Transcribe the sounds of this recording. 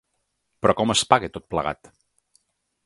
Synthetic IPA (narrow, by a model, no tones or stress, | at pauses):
pɾɔkɔməspaɣet̪ot̪̚plə̰ɣa̰t̪